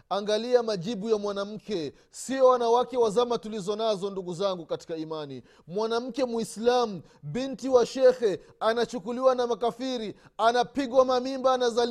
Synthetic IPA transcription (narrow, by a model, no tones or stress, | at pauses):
aŋɡaliamaʄiɓujamwanam̩kɛ | siɔwanawakɛwazamatulizɔnazɔnduɡuzaŋɡukati̥kaimani | mwanam̩kɛmwuislam̩ | ɓintiwaʃɛxɛanat͡ʃukuliwanamakafiɾianapiɠwamamimbaːnazal